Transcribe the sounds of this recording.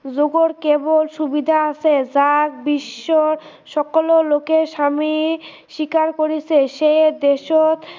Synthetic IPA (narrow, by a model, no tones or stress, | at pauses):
d͡ʑoɡoɾkebolʃubid̪ʱaasʰed͡ʑak̚biʃːoɾ | ʃɔkololokeɾʃami | ʃikaɾkoɾit͡ɕʰeʃejd̪eʃot̪